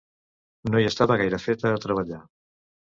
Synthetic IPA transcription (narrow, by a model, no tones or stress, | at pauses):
noiəst̪aβəɣajɾəfet̪əːt̪ɾəβ̞əʎa